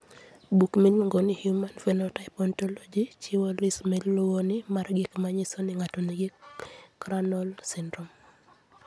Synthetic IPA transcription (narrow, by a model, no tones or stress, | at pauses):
bukmiɲŋɡonihjumanfɛnotaɪpɔntɔlɔd͡ʒit͡ʃɪwolismɛllʊwonɪmarɡɪkmaɲisonɪŋatɔniɡɪkɾanɔlsindɾɔm